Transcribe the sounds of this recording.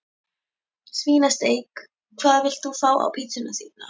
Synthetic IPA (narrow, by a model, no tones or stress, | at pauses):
sviːnast̪eːjk | kʰv̥aːðvɪl̥t̪θufaːwʔa̰wpʰiːsʏnaθiːnːa̰